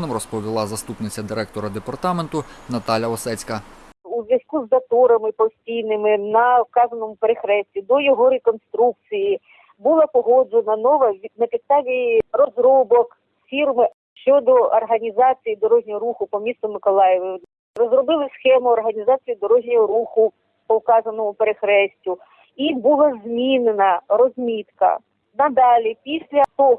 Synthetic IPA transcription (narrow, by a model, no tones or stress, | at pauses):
nɔmrɔspɔʋʲilˠɑzɐst̪upnɪt͡sʲɐd̪ɪɾɛk̚t̪ɔɾɐd̪epɐrt̪ɑment̪ʊnɐt̪ɑlʲɐɔsɛt͡sʲkɐ | uzʲʋjɐskuzːɐt̪ɔɾɐmɪpɔsʲtʲijnɪmɪnɐfkɑzɐnɔmʊpeɾexɾɛsʲtʲid̪ɔjɔɦɔɾekɔnst̪ɾuk̚t͡sʲiji | bulˠɐpɔɦɔd͡ʒenɐnɔʋɐʋʲd̪nɐpʲɪst̪ɑʋʲijrɔzɾɔbɔk | fʲirmɪ | ʃt͡ʃɔd̪ɔɐrɦɐnʲizɑt͡sʲijid̪ɔɾɔɦnʲɔɦɔɾuxʊpɔmʲist̪ɔmɪkɔlˠɑjɛʋɪ | rɔzrɔbɪlˠɪsxɛmʊɔrɦɐnʲizɑt͡sʲijid̪ɔɾɔɦnʲɔɦɔɾuxʊ | pɔwkɑzɐnɔmʊpeɾexɾɛsʲtʲʊ | ibulˠɐzmʲinenɐrɔzʲmʲit̪kɐ̰ | nɐd̪ɑlʲipʲisʲlʲɐt̪ɔɦ